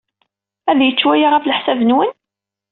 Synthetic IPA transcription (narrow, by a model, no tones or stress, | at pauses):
æðjət͡sːwæjaʁæfləħsævənwən